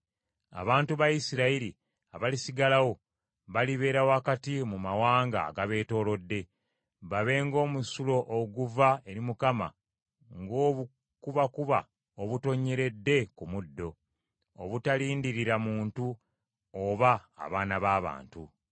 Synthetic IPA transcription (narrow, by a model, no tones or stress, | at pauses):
a̰βaːntuβajisiɾaiɾi | aβalisiɡalawo̞ | βaliβe̞ːɾawakatimumawaːŋɡa̰ɡaβe̞ːto̞ːlo̞dːe̞ | βaβe̞ːŋɡo̞ːmusulo̞ʔoɡuvae̞ɾimukama̰ | ŋɡoːβu | kuβakuβa̰ | oβuto̞ɲːeɾe̞dːe̞kumudːo̞ | oβutaliːndiɾiɾamuːntu | oβa̰ːβaːnaβaːβa̰ːntṵ